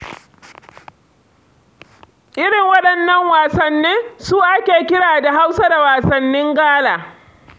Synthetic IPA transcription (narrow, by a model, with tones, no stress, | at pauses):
ʔɪ˦ɽɪ˨ŋwɐ˦ɗɐ˨nːɐ˨ŋwaː˨sɐ˨nːeː˦suː˦ʔa˦kʲeː˨kʲɪ˦ɽaː˨da˨ɦa˦wsa˦da˨waː˨sɐ˨nːɪ˦ŋɡaː˦laː˨